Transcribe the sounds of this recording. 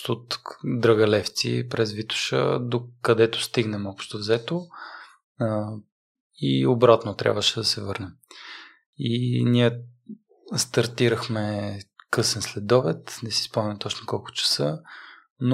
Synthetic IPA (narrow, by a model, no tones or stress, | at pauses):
t̪ot̪d̪ɾəɡɐlɛft̪sḭpɾɛzvit̪ʊ̥ʃə̰d̪okɐd̪ɛt̪ʊ̥st̪iɡnɛmɔpʃt̪ovzɛt̪o | iobɾat̪not̪ɾʲa̰bvəʃɛd̪ɐsɛvɤɾnɛm | inijə | st̪ɐɾt̪iɾəxmɛkɤsɛnslɛd̪d̪ɔvɛt̪nɛsi̥spɔmnʲɐmt̪ɔt͡ʃnokɔlˠkʊ̥t͡ʃə̥sɤ | n